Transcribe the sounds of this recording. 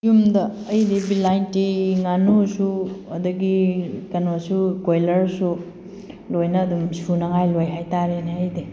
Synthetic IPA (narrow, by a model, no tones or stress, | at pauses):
jumdɐːjdibilajntiŋanusuɐduɡikɐnosukojlɐɾsu | lojnɐːdumsunɐŋajlojɦajtaɾeneəjde